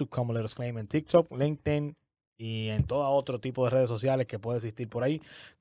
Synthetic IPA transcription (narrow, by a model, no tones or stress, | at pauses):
ukʰomoleɾesklejment̪ik̚t̪okliŋt̪in | ient̪o̞ðao̞t̪ɾot̪ipo̞ðe̞re̞ð̞es̬o̞sjale̞ske̞pweðeks̬ist̪iɾpo̞ɾai